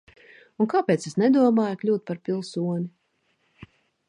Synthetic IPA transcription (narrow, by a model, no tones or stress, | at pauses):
unkaːpʲɛːt̪sesnɛd̪uɔmaːjklʲuːt̪̚paɾpʲilˠsuɔɲʲi